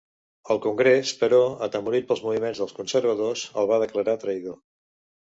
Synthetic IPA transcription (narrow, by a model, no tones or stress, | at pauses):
əlˠkuŋɡɾespəɾɔət̪əmuɾit̪̚pəlˠzmuβ̞imenzðəlˠskunsəɾβ̞əðozə̰lˠβað̞əkləɾat̪ɾəjðo